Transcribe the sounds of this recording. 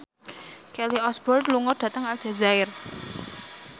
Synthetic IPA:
kɛliɔsbɔrd̪luŋɔd̥ä̤t̪əŋald͡ʒ̥a̤zaɪr

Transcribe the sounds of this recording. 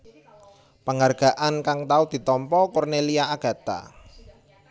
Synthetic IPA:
pəŋarɡ̥a̤ʔankaŋt̪aud̪̥i̤t̪ɔmpɔkɔrneliaaɡ̥ä̤t̪a̰

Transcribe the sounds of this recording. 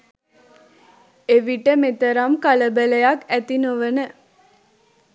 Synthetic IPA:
eʋiʈəmet̪əɾamkaləbələjakæt̪inoʋənə

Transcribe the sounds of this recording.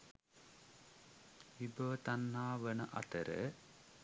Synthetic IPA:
ʋibəʋət̪anːaːʋənəʔa̰t̪əɾə̰

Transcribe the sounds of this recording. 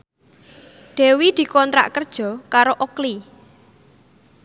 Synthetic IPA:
ɖ̪̥ɛ̤wid̪̥i̤kɔnt̪ɾa̰ʔkərd̥ʒ̥ɔ̤kaɾoʔokli

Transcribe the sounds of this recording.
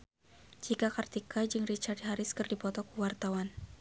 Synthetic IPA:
d͡ʒikakart̪ikʰad͡ʒɨŋrit͡ʃardɦaɾɪskɨrdipɔt̪ɔkuwart̪awan

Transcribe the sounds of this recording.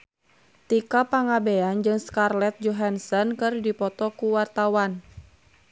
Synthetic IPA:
t̪ikapaŋabeand͡ʒɨŋskarlɛt̪̚d͡ʒɔɦansɔnkɨrdipɔt̪ɔkuwart̪awan

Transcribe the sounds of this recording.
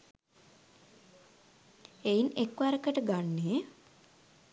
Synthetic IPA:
einekʋaɾəkəʈəɡanːeə

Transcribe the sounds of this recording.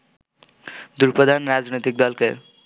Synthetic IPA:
d̪uɾpɾʌd̪ʱanɾad͡znet̪ik̚d̪ʌlke

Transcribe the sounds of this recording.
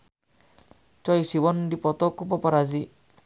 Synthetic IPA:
t͡ʃɔjsibɔndipɔt̪ɔkupɔpɔɾazi

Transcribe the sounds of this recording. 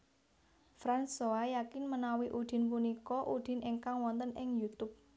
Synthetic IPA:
fɾansoajakɪnmənawiʔud̪̥ɪ̤npunikɔʔud̪̥ɪ̤nʔiŋkaŋwɔnt̪ənʔɪŋjut̪ʊp̚

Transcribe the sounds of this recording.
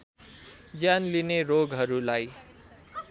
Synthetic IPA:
d͡zjanlineɾoɡɦʌɾulaj

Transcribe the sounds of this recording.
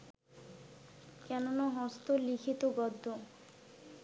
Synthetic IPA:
kɛnonaɦɔst̪olikʰit̪obɔd̪ʱːo

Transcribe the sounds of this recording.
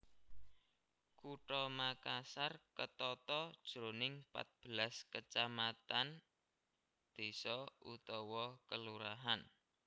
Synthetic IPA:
kuʈɔmakasarkət̪ɔt̪ɔd̥ʒ̥ɾonɪŋpa̰t̪̚b̥əlaskət͡ʃamat̪an | d̪̥i̤sɔṵt̪ɔwɔkəluɾaɦan

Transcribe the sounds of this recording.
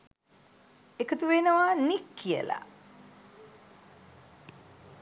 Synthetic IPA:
ekət̪uʋenəʋaːnikʰːiə̰la̰

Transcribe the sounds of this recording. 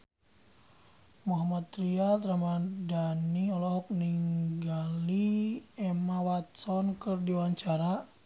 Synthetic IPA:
muɦamat̪ɾiat̪ɾamadaniɔlɔɦɔk̚niŋɡaliɛmawat̪̚sɔnkərdiwaɲt͡ʃaɾa

